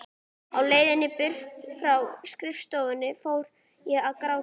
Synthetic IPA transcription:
awleːjðɪnːɪpʏr̥ft̪fɾawskɾɪfst̪oːwvʏnːɪfoːwɾ | jɛɣaðkɾaw

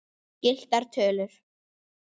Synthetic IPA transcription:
cɪl̥t̪aɾ̥t̪ʰœːlʏɾ̥

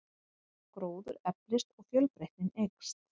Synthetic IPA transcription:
kɾoːwðʏɾɛplɪst̪ɔɣfjœlpɾeht̪ɪnejkst̪

